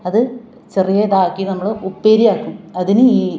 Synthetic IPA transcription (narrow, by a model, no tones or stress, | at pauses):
ɐðɨ | t͡ɕe̞rijed̪aːkːinɐmːɐɭɨʔupːeːɾijaːkːumɐðinɨiː